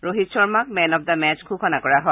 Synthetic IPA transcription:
ɹoɦitsɔɹmak̚mɛnɔp̚damɛt͡ʃkʰukʰɔnakɔɹaɦɔ

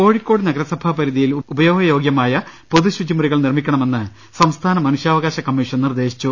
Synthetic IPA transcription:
ko̞ːɻikʲːo̞ːɽɨnɐɡɐɾɐsɐbʱaːpɐɾiðijilubɐjo̞ːɡɐjo̞ːɡjɐmaːjɐpo̞ðuɕud͡ʑimɐɾiɣɐɭnirmikʲːɐɳɐme̞nːɨ | sɐmst̪ʰaːnɐmɐnuɕjaːʋɐɣaːɕɐkːɐmːiʂɐnnird̪e̞ːɕi̥t͡ɕːu

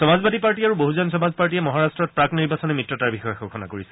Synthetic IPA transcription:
sɔmazbadipaɹtiaɹuboɦuzɔnsɔmazpaɹt̬iɛmɔɦaɹastɹɔt̚pɹakniɹbasɔnɛmitːɹɔtaɹbixɔjɔxɔkʰɔna̰koɹisɛ̥

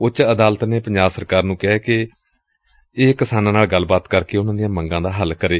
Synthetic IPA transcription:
ʊt͡ʃəd̪aːlət̪neːpəɲd͡ʒaːbsəɾkaːɾnũːkɛkɪ | eːkɪsaːnãːnaːlɡəlbaːt̪kəɾkeːʊnãːd̪ijãːməŋɡãːd̪aːɦəlkəɾeː

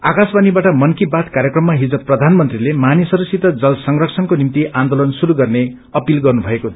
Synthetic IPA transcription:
akasbanibaʈʌmʌnkibat̪kaɾjekrʌmːaɦid͡zʌprʌd̪ʱanmʌnt̪rilemanisʌɾusit̪ʌd͡zʌlsʌŋrʌkt͡sʰʌnkonimt̪iʔand̪olʌnsuɾuɡʌrne | ʌpilɡʌrnubʱʌeko

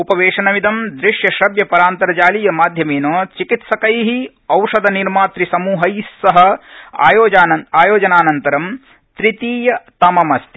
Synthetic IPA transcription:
upɐʋeːʂɐnɐʋid̪ɐmd̪ɾiʂjɐʃɐbjɐpɐɾaːnt̪ɐɾɐd͡ʒaːlijɐmaːd̪ʱjɐmeːnoːt͡ʃikit̪sɐkɐjɦi | ɐwʂɐd̪ɐniɾmaːt̪ɾisɐmuːɦɐjsːɐɦɐ̆ːjoːaːɐaːjoːd͡ʒɐnaːnɐnt̪ɐɾɐm | t̪ɾit̪iːjɐt̪ɐmɐmɐst̪i̥

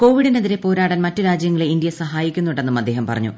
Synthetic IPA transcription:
ko̞ːʋiɽineðiɾe̞po̞ːɾaːɽɐnmɐtːɨɾaːd͡ʑjɐŋːɐɭeindijɐsɐɦaːjikʲːunːuɳɖe̞nːɐmɐd̪ːe̞ːɦɐmpɐ̰rɐ̰ɲːṵ

